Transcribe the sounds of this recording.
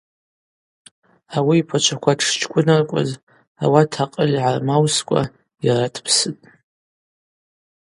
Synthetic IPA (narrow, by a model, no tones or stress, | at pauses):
awiːpʰat͡ʃʷʰakʷʰatʰʂt͡ʃʰʼkʷʼʊnarkʷʼa̰z | a̰watʰaqʼəlʲiʕarmawskʷʼa̰ | jaratʰpʰsɨtʼ